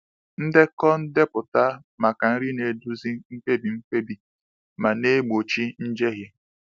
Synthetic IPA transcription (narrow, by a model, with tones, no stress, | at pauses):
n̩˦de˦kɔ˦n̩˦de˦pʊ˨ta˦ | ma˨ka˨n̩˦ɾi˦ne˨du˦zi˦ŋ͡m̩˦k͡pe˦bi˨ŋ͡m̩˦k͡pe˦bi˨ | ma˨ne˦ɡ͡bo˨t͡ʃi˦n̩˦d͡ʒe˦ɣɪ˦